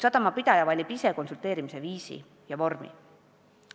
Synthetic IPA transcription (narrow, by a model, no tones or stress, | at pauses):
sɑd̪̥ɑmɑpid̪̥ɑjɑvɑlʲːibise̞ko̞nsult̪ːˑe̞ːɾimise̞viːsḭ | jɑvo̞rmḭ